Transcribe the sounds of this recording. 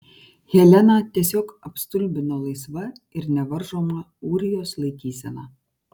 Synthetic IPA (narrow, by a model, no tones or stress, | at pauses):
hʲɛlʲɛnɑːt̪ʲiɛsʲoːkɐpst̪ʊlʲbʲɪnolˠɐɪsʋɐ | ɪɾnʲɛʋɐɾʒoːmɐ | uːɾʲɪjoːslˠɐɪkʲiːsʲɛnɑː